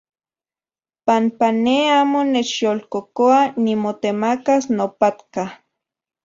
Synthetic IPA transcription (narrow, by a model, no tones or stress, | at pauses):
pampaneaːmonet͡ʃjolkokoanimot̪emakasnopat̪ka